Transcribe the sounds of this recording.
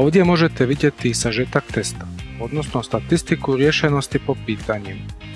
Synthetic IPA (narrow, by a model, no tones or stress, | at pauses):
ɔʋɟɛmʊɔʒɛt̪ɛʋiɟɛt̪isaʒɛt̪akt̪ɛst̪ḁɦɔd̪nɔsnɔst̪at̪ist̪ikuɾɪɛʃɛnɔscipɔpiːt̪aɲim